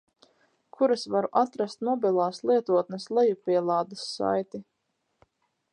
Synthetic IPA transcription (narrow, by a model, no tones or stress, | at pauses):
kʰuɾasvaɾuʔat̪ɾast̪mɔbilˠaːslˠiɛt̪uɔt̪neslˠɛjupiɛlˠaːd̪asːa̰jt̪i